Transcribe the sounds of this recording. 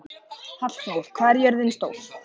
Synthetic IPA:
hat̪l̥soɾkʰvaːɾjɛɾðɪnst̪o̰ːwɾ

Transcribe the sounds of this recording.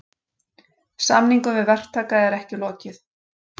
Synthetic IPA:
samniŋkʏmvɪðvɛr̥t̪ʰaːkaðɛɾɛhcɪlɔːcɪθ

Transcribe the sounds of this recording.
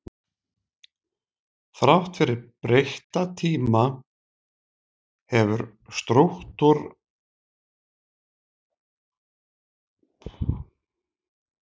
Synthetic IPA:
θɾawht̪fɪɾɪɾpɾejht̪at̪ʰiːma | hɛvʏɾst̪ɾowht̪ʊɾ

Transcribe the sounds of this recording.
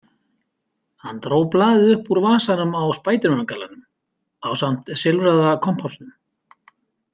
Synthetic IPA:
hanːt̪ɾoːwplaːðɪʏhpuɾvaːsanʏmawspaːjt̪ɪɾʏnakʰalːa̰nʏm | awsam̥t̪sɪlvɾaðakʰɔm̥pʰafsnʏm

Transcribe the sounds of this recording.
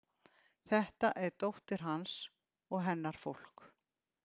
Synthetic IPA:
θɛht̪aʔɛɾt̪owht̪ɪɾ̥ɦans | ɔɣɦɛnːaɾ̥fowl̥k

